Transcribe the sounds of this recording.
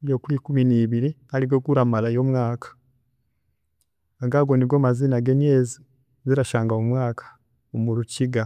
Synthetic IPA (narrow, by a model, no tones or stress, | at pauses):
jokulikuminiːβiɾialiɡokuɾamalajomwaːkḁ | aŋɡaɡoniɡoːmazinaɡeɲjeːzi | ziɾaʃaːŋɡaomwaːkʰḁ | omuɾuciɡa